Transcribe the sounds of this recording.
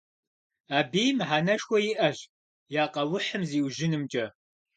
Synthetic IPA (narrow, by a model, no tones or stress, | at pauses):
aːbiːjmħaːnɐʂxʷɔjɪʔɐʒ | jaːqɐwʊħəmziːwʒɪnɨmt͡ʃʼɐ